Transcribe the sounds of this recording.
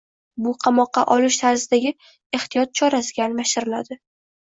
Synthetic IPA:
bʊqʰɑmɒqːɑ̰ʔɒlɪʃt̪ʰaɾzɪd̪aɡʲɪ | e̞χt̪ijɒt̪̚t͡ʃʰɒɾasɪɡʲanmaʃɪɾɪlad̪ɪ

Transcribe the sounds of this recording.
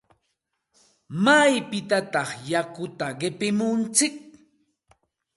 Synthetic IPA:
majpɪt̪at̪ɑχjakʊt̪aɢɪpɪmʊnt͡sɪk̚

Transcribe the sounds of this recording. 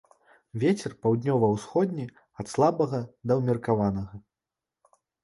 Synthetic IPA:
vʲɛt͡sʲɛrpawd̪ʲnʲɔvɐwsxɔd̪ʲnʲi | ɐt̪slˠabɐɣɐd̪ɐwmʲirkavanɐɣɐ

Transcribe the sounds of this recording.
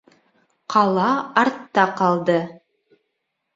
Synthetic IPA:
qʰɑlˠɑɑɾt̪ːɑqɑlˠd̪ɤ

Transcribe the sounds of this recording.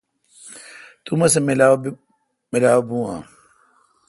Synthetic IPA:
t̪umɐsemla | mɪlaːobũːãː

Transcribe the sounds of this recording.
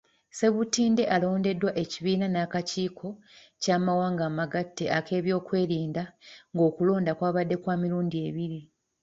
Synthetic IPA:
se̞βutiːnde̞ʔalo̞ːnde̞dwaʔe̞ciβiːnanaːkaciːkʰo̞ | caːmawaːŋɡaːmaɡatːe̞ʔake̞ːβjo̞ːkwe̞ːɾiːndaŋɡo̞ːkulo̞ːndakwaːβadːe̞kwaːmiɾuːndie̞ːβiɾi

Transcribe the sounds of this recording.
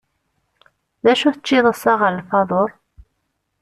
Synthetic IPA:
ðæʃuθət͡ʃːiðˤəsˤɑʁəɾəlfɑðˤoɾˤ

